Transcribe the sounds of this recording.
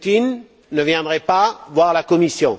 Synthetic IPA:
t̪inː | əvjɛ̃d̪ʁɛpavwaʁlakɔmisjɔ̃

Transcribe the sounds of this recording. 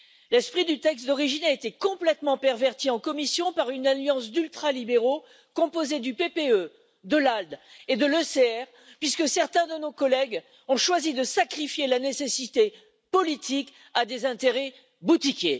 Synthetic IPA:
lɛspχid̪yt̪ɛkst̪d̪ɔʁiʒinaet̪ekɔ̃plɛt̪mɑ̃pɛʁvɛʁt̪iɑ̃kɔmisjɔ̃paʁynaljɑ̃sd̪ylt̪χalibeʁo | kɔ̃pozed̪ypepeø | d̪əlald̪ed̪əløseɛʁ | pɥiskəsɛʁt̪ɛ̃d̪ənokɔlɛɡ | ɔ̃ʃwazid̪əsakχifjelanesesit̪e | pɔlit̪ʰik | ad̪ezɛ̃t̪eʁɛ | but̪ikʲe

